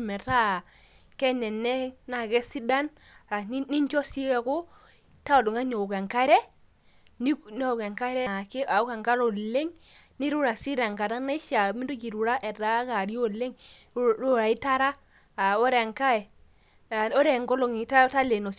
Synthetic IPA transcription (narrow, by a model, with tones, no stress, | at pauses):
mɛ˨ta˦˨ | kɛ˦nɛ˨nɛ˦na˨kɛ˦si˦da˦n | a˨˦ni˦ɲt͡ʃɔ˦si˦ɛ˨ko˦ | ta˦o˨du˨ŋa˦ɲo˨ke˨ŋka˦ɾɛ˦ | ni˦n˦˨ke˨ŋka˦ɾɛ˦˨ke˦a˨u˦ka˨ŋka˦ɾo˨le˦ŋ | ni˦ɾu˦ɾa˨si˦ɾa˨ŋka˨ɾa˦ne˦ʃa˨mi˦do˦d͡ʒi˨ɾu˨ɾa˦ʔɛ˨ta˨˦ka˨ɾjo˦le˦ŋ˦ | u˦˨ɾa˨i˦ta˦ɾa˦ | a˨o˦ɾe˨ŋka˦ɛ˨ | o˦ɾe˨ŋɡɔ˦lo˨ŋ˨ta˦ta˦le˨no˨